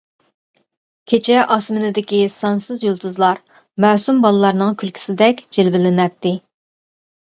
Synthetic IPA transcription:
kʲʰet͡ʃʰɛʔɑsmɪnɪd̪ɪkʲisɑnsɨzjolˠt̪uzlˠɑɾ | mæːsumbɑlˠɨlˠɑɾnɨŋkʲʰylkʲʰi̥sɪd̪ɛkʲd͡ʒelbɪlɪnɛt̪ːɪ

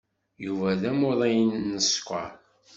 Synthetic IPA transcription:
juvæðæmʊðˤæjənːəskʷɑ̰

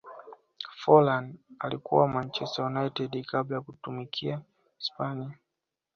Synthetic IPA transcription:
fɔlandalikṵwamant͡ʃɛstajunaitɛdkablajakutumikʰia | spania

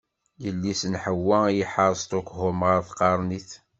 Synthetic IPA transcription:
jəlːisənħəwːæjəħəɾˤsˤt̪ukhʊmʁəɾθqɑɾˤniθ

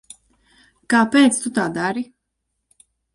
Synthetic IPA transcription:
kaːpɛːt̪st̪ut̪aːd̪aɾi

